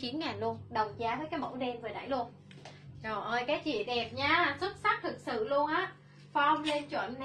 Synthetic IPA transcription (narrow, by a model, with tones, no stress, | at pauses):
t͡ɕi˨˦nŋaː˨˩nlu˧ənɗə˨˩wŋ͡mt͡ɕaː˧vəː˨˦jkaː˨˦jmo̰˧˥wɗɛ˧mvə˨˩ɗa̰ː˧˩˨jlu˧ən | zo˨˩ʔəː˧˩jkaː˨˦jt͡ɕḭ˧˨ɗɛ˨˩p̚ɲaː˧swə˦˥t̚sa˦˥k̚t̪ʰɨ˨˩k̚sɨ̰˧˨lu˧ənʔaː˨˦˥ | fa˧wŋ͡mle˧nt͡ɕwə̰˧˨nː˧